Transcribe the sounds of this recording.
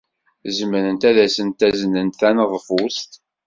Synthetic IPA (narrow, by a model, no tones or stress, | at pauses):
zəmɾənt̪æðæsənt̪æzənːənθænəðˤfust̪